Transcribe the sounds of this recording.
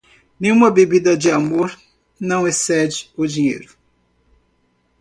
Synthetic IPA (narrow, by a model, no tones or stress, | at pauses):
nẽj̃ũmɐbebid̪ɐd͡ʒɪamoɾ | nɐ̃w̃esɛd͡ʒɪ̥ʊd͡ʒiɲḛjɾʊ